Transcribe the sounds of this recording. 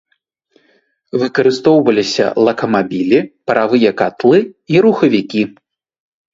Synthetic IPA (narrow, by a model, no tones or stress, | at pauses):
vɨkɐɾɨst̪ɔwvɐlʲisʲɐ̰lˠɐkɐmabʲilʲipɐɾʔavɨjɐkat̪lˠɨiɾuxɐvʲikʲi